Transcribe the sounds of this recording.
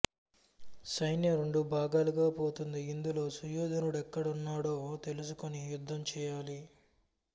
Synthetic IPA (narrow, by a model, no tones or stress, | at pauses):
sɐjnjɐɾeɳɖubʱaːɡaːluɡaːpo̞ːt̪und̪iːnd̪ulo̞ːsujoːd̪ɐnuɽɛkːɐɽɐunːaːɽo̞ːt̪e̞lus̬ukonijud̪ʱːɐmt͡ʃɛːjaːli